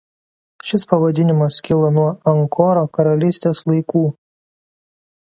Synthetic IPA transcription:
ʃʲɪspɐʋɐd̪ʲɪnʲɪmɐskʲɪlˠɐnuɔɐŋkʰɔɾoːkɐɾɐlʲɪsʲt̪ʲeːslˠɐɪkuː

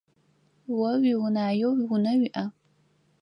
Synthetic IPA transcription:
wɐwiwʊnaːjowwʊnɐɥiʔɐ

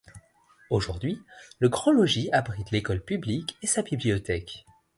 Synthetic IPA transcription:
oʒuʁd̪ɥiləɡʁɔ̃lɔʒiabʁit̪lekɔlpyblikesabibliɔt̪ɛk

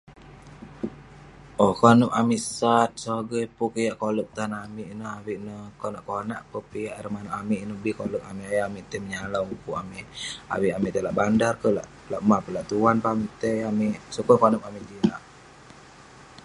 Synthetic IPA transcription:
ʔokonəpamiʔsat̪̚soɡəjpukəjaʔkoləp̚t̪anamiʔinəawiʔnəkonaʔkona̰ʔpəpijaʔɾəmanoʔamiʔinəbikoləkamiʔajaamiʔt̪əməɲalaukua̰mia̰wiʔamiʔt̪elaʔbandarkəla̰ʔ | laʔmapəlaʔt̪uanpamiʔt̪eamiʔsukərkonəp̚amiʔd͡ʒilaʔ

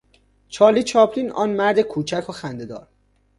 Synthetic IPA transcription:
t͡ʃʰɒːlit͡ʃʰɒːpʰliːnɒ̰ːnmæɾd̪ekʰuːt͡ʃʰækʰoxænd̪ed̪ɒ̰ːɾ

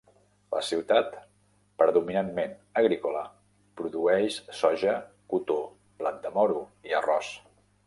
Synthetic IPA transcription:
lʔə̰siwt̪at̪ | pɾəðuminanmenəɣ̞ɾikulə | pɾuðuɛʃsɔʒə | kut̪o | blat̪̚d̪əmɔɾuiərɔs

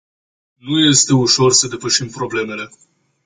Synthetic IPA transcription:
nuje̞st̪e̞uʃo̞rsəd̪e̞pəʃimpɾo̞ble̞me̞le̞

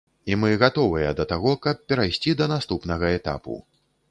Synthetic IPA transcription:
imɨɣat̪ɔvɨjɐd̪ɐt̪aɣɔkɐp̚pːʲɛɾajsʲt͡sʲid̪ɐnast̪upnɐɣɐɛt̪a̰pṵ

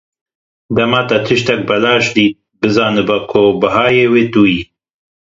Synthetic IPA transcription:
d̪ɐmɑːt̪ɐt̪ʰɨʃt̪ɛk̚bɐlɑːʃd̪iːt̪̚bɨzɑːnɨbɐkʰobɨɦɑːjeːweːt̪uːjiː

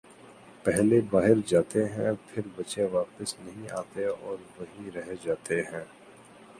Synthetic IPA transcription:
pɛɦlebaːɦɪɾd͡ʒaːt̪eɦɛ̃pʰɪɾbɐʃeʋaːpəsnɐɦĩaːt̪eɔːɾʋɐɦĩɾɛɦed͡ʒaːt̪eɦɛ̃ː

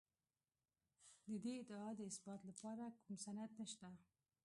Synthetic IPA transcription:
d̪əd̪eɪd̪əɑd̪əɪsbɑt̪lapɑɾakumsanad̪nəʃt̪a

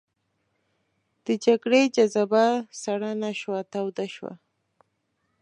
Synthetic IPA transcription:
d̪̥əd͡ʒaɡɽed͡ʒazabasaɽanaʃwat̪awd̪aʃwa̰

